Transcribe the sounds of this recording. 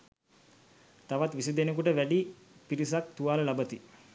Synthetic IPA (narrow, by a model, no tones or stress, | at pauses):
t̪aʋat̪ʋisid̪enekuʈəʋæɖi | piɾis̬ak̚t̪uʋaːləlabət̪i